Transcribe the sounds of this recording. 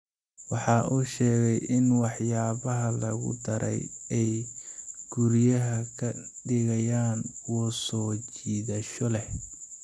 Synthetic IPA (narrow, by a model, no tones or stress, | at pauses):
wɑħɑːʔuːʃɛːɣɛjʔɪnwɑħjaːβɐɦɐlɐɣʊ̰d̪ɐɾʔɛ̰jɛj | ɡ̥ʊɾjɐɦɐkʰɐɖɪɣɐjaːnwɔːsɔːt͡ʃiːðɐʃɔlɛh